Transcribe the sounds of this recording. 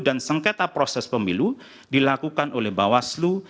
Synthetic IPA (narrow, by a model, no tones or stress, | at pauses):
dansəŋket̪apɾosɛspəmilu | dilakukanolɛhbawaslu